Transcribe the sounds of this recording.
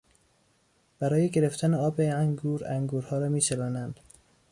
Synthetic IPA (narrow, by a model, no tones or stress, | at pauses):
b̥æɾɒːje̞ɡe̞ɾeft̪ʰæneɒːbeæŋɡuːɾæŋɡuːɾhɒːɾɒːmiːt͡ʃʰeɾɒːnænd̪̥